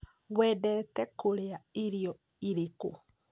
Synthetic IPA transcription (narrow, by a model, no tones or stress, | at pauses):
ɣwɛːdɛːtɛkoɾeaeɾiɔ | iɾeko̰